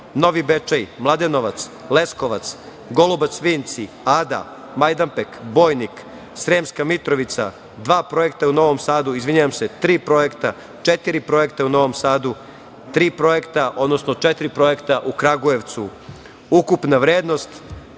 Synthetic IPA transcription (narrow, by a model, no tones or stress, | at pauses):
no̞ʋibet͡ʃajmlˠad̪eno̞ʋat̪s | le̞skoʋat̪s | ɡo̞lubat̪sʋiːnt̪si | ad̪a̰ | majd̪ampekbo̞ːjnik | sɾeːmskamit̪ɾo̞ʋit̪sa̰ | d̪ʋaːpɾo̞je̞kt̪auno̞ʋo̞msaːd̪uizʋiɲujamse̞t̪ɾiːpɾo̞je̞kt̪a | t͡ʃet̪iɾipɾo̞jekt̪auno̞ʋo̞msaːd̪u | t̪ɾiːpɾo̞je̞kt̪aʔod̪no̞sno̞t͡ʃet̪iɾipɾo̞je̞kt̪aʔukɾaɡuje̞ʋt̪su | ukupnaʋɾjeːd̪no̞st̪